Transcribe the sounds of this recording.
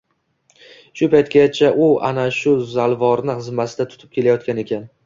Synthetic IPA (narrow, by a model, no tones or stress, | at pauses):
ʃʊpajt̪kʲat͡ʃʰaʔʊa̰naʃʊzalˠvɒɾnɪχɨzmasɪd̪at̪ʰʊ̥t̪ʰɪ̥p̚kʲʰe̞lajɒt̪̚kʲane̞kʲʰan